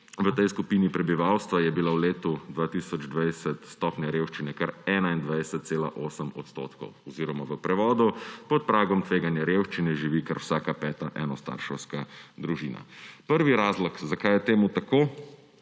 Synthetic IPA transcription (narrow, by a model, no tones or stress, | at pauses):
ʋət̪ɛjskupiːnipɾɛbiʋawst̪ʋajɛbilawleːt̪ud̪ʋaːt̪iːsɔd͡ʒd̪ʋajsət̪st̪ɔːpnʲjaɾeːwʃt͡ʃinɛkaɾɛːnaind̪ʋajsət̪̚seːla̰ʔoːsəmɔ̰t̪st̪o̰ːt̪kɔ̰wɔziɾɔmaʋəpɾɛʋɔːd̪upɔt̪̚pɾaːɡɔmt̪ʋeːɡanjɛɾewʃt͡ʃinɛʒiʋikaɾwsaːkapɛːt̪aʔɛnɔst̪a̰ɾʃɛwskad̪ɾuʒiːna̰pəɾʋiɾazlɔkzakajɛt̪eːmut̪akoː